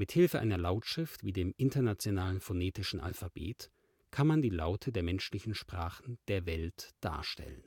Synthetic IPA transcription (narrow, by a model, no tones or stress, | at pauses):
mɪthɪlfəʔa̰ɪnɐlaʊtʃʁ̥ɪftv̥iːdeːmʔɪntɐnat͡sjonaːlənfoneːtɪʃn̩ʔa̰lfab̥ḛːt | kʰanmandiːlaʊtʰədeːɐmɛnʃlɪçn̩ʃpʁ̥aːχn̩d̥eːɐvɛltd̥a̰ːɐʃtɛ̰lə̰n